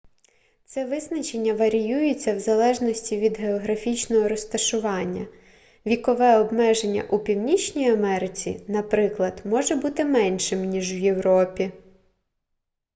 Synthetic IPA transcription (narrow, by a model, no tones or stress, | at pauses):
t̪sɛʋɪznɐt͡ʃenʲːɐʋɐɾʲijujet͡sʲːɐwzɐlˠɛʒnɔsʲtʲiʋʲid̪ɦeɔɦɾɐfʲit͡ʃnɔɦɔɾɔst̪ɐʃʊʋɑnʲːɐ̰ | ʋʲikɔʋɛɔbmɛʒenʲːɐ̰ʔupʲiwnʲit͡ʃʲnʲijɐmɛɾɪt͡sʲḭnɐpɾɪklˠɐd̪mɔʒɛbut̪ɪmɛnʲʃɪmnʲiʒwje̞wɾɔpʲi